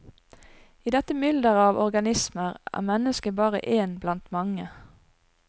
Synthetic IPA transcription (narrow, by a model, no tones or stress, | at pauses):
iːd̪ɛt̪əmʏld̪əʁɑːʋɔʁɡɑnɪsməʁʔæ̰ːmɛnəskəbɑːʁə̰ʔeːnblɑnt̪mɑŋə